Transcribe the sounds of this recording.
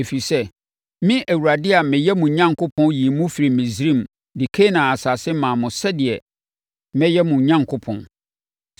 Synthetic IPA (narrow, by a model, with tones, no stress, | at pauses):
e˨fi˨sɛ˦ | mĩ˦ʔæ˨wu˨ɾa˨dɪ˦a˨mɪ̃˨jɛ˦mũ˨ɲã˦ŋkʰʊ˦pʰɔ̃˦ji˨mũ˦fi˨ɾi˨mĩ˨zɾĩ˦˨m | dɪ˨kʰe˦nã˨a˨sa˨sɪ˦mãː˨mʊ̃˨sɛ˦dɪ˨ɛ˨ | mɛ̃˦jɛ˦mũ˨ɲã˦ŋkʰʊ˦pʰɔ̰̃˨n